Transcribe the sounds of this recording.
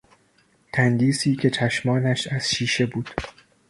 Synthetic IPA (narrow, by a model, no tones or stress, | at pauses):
t̪ʰænd̪iːsiːcʲʰe̞t͡ʃʰæʃmɒːnæʃæz̥ʃiːʃe̞buːd̪̥